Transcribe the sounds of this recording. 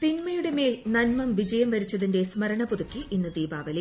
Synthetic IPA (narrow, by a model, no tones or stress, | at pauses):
t̪inmɐjuɽe̞meːlnɐnmɐmʋid͡ʑɐjɐmʋɐɾit͡ɕːɐðinde̞smɐɾɐɳɐpuðukʲːɨʔinːɨd̪iːbaːʋɐle